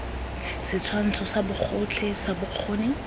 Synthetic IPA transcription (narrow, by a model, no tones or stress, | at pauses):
sɪt͡sʰwan̩t͡sʰɔsabʊq͡χʰʊt͡ɬʰɛsabʊq͡χʰoːnɪ